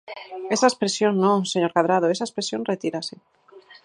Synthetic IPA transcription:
esaespɾesjõŋnõŋseɲoɾkaðɾað̞oesaespɾesjõnret̪iɾase

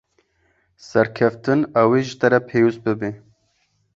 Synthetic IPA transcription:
sɛɾkʰɛft̪ɨnaweʒɨt̪ɛɾɛpʰeːwus̚bɨbe

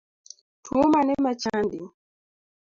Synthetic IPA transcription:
twomanɛmat͡ʃandi

